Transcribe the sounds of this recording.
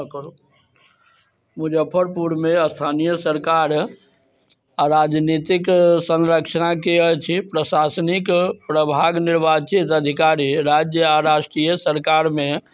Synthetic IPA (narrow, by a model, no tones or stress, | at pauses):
kɾo | mud͡ʒəpʰːəɾpuɾmeəst̪ʰanijəsəɾkaɾ | aɾad͡ʒnit̪iksə̃nɾəkt͡ʃʰənakeət͡ʃʰipɾəsasnikpɾəbʱaɡniɾbat͡ʃit̪əd̪ʱikaɾiɾad͡ʒjəaɾaʃʈɾijəsəɾkaɾme